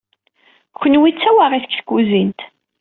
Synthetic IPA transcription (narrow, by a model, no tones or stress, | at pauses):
kʷːənwit͡sːæwaʁiθə̥kθəkʷːuzint̪